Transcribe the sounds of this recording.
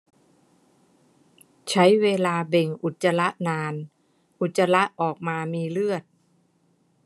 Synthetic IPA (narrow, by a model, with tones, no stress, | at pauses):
t͡ɕʰa˦˥jweː˧laː˧be˨˩ŋʔu˨˩t̪̚t͡ɕːa˧la˦˥ʔnaː˧n | ʔu˨˩t̪̚t͡ɕa˧la˦˥ʔʔɔː˨˩k̚maː˧miː˧lɯ˥˩ət̪̚